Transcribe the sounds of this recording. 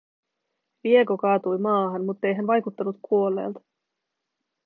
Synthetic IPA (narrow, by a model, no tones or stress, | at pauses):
ʋie̞ko̞kɑːt̪ujmɑːɦɑnmut̪ːe̞jɦænʋɑjkut̪ːɑnːut̪kʰuo̞lːe̞̰ːlt̪ɑ̥